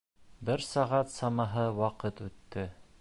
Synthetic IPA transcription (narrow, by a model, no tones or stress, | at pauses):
bɘɾsɑʁɑt̪sɑmɑɦɤwɑqɤt̪ʉt̪ːɘ